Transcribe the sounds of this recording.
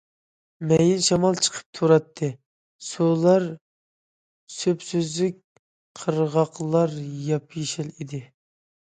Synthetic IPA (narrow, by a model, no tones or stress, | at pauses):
mɛjinʃɑmɑlˠt͡ʃʰə̥qʰə̥p̚t̪ʰuɾɑt̪ʰːɨ | sulˠɑɾ | søpsyzlɪk̚ʲ | qʰəɾʁɑqlˠɑɾjɑpʰjeʃɛlid̪ɪ